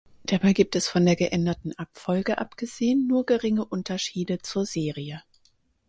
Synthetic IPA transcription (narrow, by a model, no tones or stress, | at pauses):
d̥abaɪɡiːp̚tɛsfɔndeːɐɡəʔɛndɐtn̩ʔapfɔlɡəʔapɡ̥əzeːənːuːɐɡəʁɪŋəʔʊntɐʃiːdət͡suːɐzeːʁiə